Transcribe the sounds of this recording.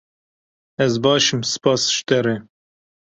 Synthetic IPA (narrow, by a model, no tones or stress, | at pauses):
ɛzbɑːʃɨmsɨ̥pɑːsʃt̪ɛɾe